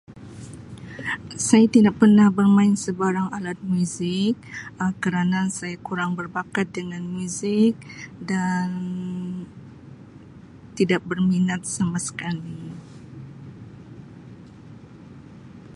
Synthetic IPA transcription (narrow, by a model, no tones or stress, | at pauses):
sajat̪idak̚pərnahbərmãɪnsəbaɾaŋalat̪̚muzɪk̚kəɾanasajakuɾaŋbərbakat̪̚dəŋanmuzɪk̚dann | t̪idak̚bərminat̪̚samasə̥kali